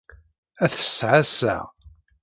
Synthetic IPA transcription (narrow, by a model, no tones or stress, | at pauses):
æθə̥sʕasæ̰